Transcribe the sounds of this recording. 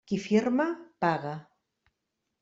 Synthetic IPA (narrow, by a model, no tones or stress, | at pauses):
kifiɾmapaɣa